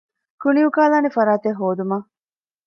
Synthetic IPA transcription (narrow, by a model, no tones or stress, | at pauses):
kuniukaːlaːnefɐɾaːt̪eɦːoːd̪umɐ